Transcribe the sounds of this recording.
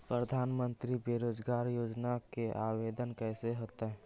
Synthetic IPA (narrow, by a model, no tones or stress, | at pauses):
pɾəd̪ʱanmənt̪ɾibeɾod͡ʒɡaɾjod͡ʒnakeʔawed̪ənkɛɦseɦot̪əɦ